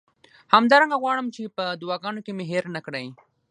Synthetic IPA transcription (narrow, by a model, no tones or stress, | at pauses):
hamd̪ɑɾaŋɡaɣwɑɽəmt͡ʃepəd̪ʊwɑɡɑnokemeɦeɾnakɽaj